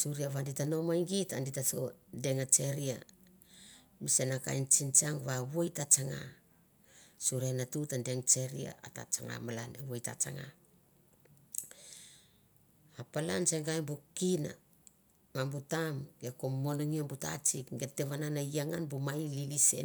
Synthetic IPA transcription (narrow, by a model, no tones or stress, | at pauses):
suɾiaβanditano̞majŋɡitanditaso̰de̞ŋat͡ʃe̞ɾia̰ | misenaka̰jnt͡ʃint͡ʃaŋβawojtat͡ʃaŋa̰ | suɾianatutande̞ŋt͡ʃe̞ɾḭa̰ata̰t͡ʃa̰ŋa̰malanewojta̰t͡ʃa̰ŋa̰ | apalant͡ʃeŋɡajmbukina̰ | mambutamɡekomːonoŋiambuta̰t͡ʃikɡete̞βananajaŋanbumajlilise̞̰